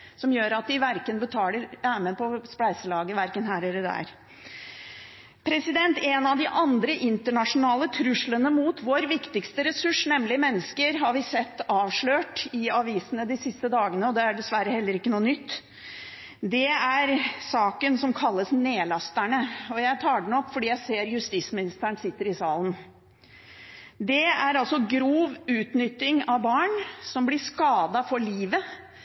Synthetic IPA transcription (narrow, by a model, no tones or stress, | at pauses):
sɔmjøːɾɑt̪̚d̪ɪʋæɾkənbət̪ʰɑːləɾæːməpʰɔsplæɪsəlɑːɡəʋæɾkənɦæːɾɛlːəd̪æ̰ːɾ | pʰɾɛsɪd̪ɛnt̪ɛnɑʋd̪ɪʔɑnd̪ɾəʔɪnt̪əɳɑʂʊnɑːlət̪ʰɾʉʂlənəmut̪ʋoːɾʋɪkt̪ɪkst̪əɾɛsʉʂnɛmːlɪmɛnːəskəɾɦɑɾʋɪsɛt̪ːɑːʋʂɭøːʈɪɑʋiːsənəd̪ɪsɪst̪əd̪ɑːɡənəɔd̪ɛæɖɛsʋæɾəhɛlːəɾɪkːənuːənʏt̪ː | d̪ɛæɾsɑːkənsɔmkʰɑlːəsneːlɑst̪æɳəɔjæɪt̪ʰɑːɖɛn̩ɔpfɔɖiːjæɪseːɾjʉst̪ismɪnɪst̪æɳsɪt̪ːəɾɪsɑːln̩ | d̪ɛæɾɑlsɔɡɾuːʋʉːt̪nʏt̪ːɪŋɑʋbɑːɳsɔmblɪʂkɑːd̪ɑfɔɭiːʋə